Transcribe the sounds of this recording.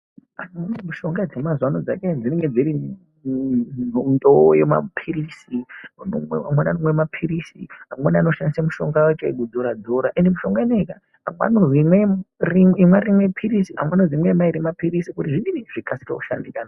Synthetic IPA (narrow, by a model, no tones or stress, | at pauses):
anmunemuʃo̞ŋɡad͡zemazwanod͡za̰kend͡zineŋɡe̞d͡ziɾi | nondojema̰pʰiɾisinamwananomwemapʰiɾisḭɦamwanano̞ʃandisamuʃoŋɡawat͡ʃoeɡud͡zoɾad͡zoɾaʔendemuʃo̞ŋɡaineka | ɦamwa̰nozimweriimwaɾimwepʰiɾisiɦa̰mwanozimwemaiɾimapiɾisikutiʐininiʐ̥ikasi̥rḛku̥ʃa̰ndikaːna